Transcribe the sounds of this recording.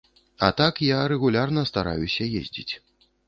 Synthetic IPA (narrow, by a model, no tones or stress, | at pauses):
ɐ̰t̪akjaɾɛɣulʲarnɐst̪aɾa̰jusʲɐjḛzʲd͡zʲḭt͡sʲ